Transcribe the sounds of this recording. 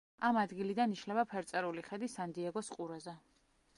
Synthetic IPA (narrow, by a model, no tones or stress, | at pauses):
amad̪ɡilid̪aniʃnɛbapʰɛɾt̪sʼɛɾuliχɛd̪isand̪iɛɡɔsqʼuɾɛzɛ